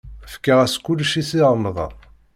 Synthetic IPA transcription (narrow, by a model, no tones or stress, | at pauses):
fə̥kːəʁæskːʊlːʃisiʁˤənðˤɑ̰